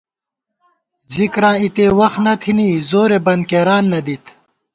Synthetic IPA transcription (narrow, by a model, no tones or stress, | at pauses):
zikɾãːit̪eːwɐxnɐt̪ʰiniːzoːɾebɐn̚keːɾaːnːɐd̪it̪